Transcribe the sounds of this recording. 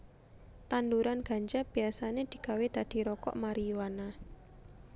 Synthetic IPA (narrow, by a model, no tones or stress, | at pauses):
t̪and̪uɾanɡ̥a̤ɲd͡ʒab̥i̤asaned̪̥i̤kawed̪̥a̤d̪̥i̤ɾɔkɔ̰ʔmaɾiwana